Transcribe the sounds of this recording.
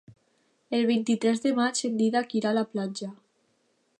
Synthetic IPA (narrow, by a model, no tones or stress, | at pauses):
elβ̞int̪it̪ɾɛzðemat͡ʃend̪iðakiɾalaplanʲd͡ʒa